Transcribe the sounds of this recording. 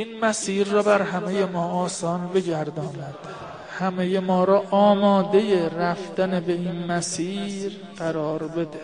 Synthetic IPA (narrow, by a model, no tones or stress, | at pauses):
iːnmæsiːɾːɒːbæɾhæme̞jemɒːʔɒːsɒːnbe̞ɟæɾd̪ɒːnæd̪̥ | hæmejemɒːɾɒːʔɒːmɒːd̪e̞je̞ɾæft̪ænebe̞iːnmæsiːɾ | ɢæɾɒːɾbe̞d̪e